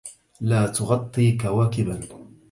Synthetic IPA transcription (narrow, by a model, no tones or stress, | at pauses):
laːt̪ʊɣɑt̪ˤːiːkawaːkɪban